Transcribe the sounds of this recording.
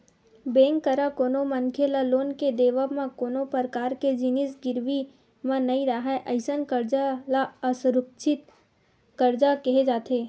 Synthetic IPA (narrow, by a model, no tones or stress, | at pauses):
bẽːŋkːəɾakoːnomɐnkʰelaloːnked̪eːʋamãkoːnopəɾkaːɾked͡ʒɪnɪsɡɪɾʋi | mãnɐĩɾaɦaʔɐɪsənkəɾd͡ʒalaɐsɾʊk̚t͡ʃʰɪt̪ | kəɾd͡ʒakɐɦed͡ʒaːt̪eː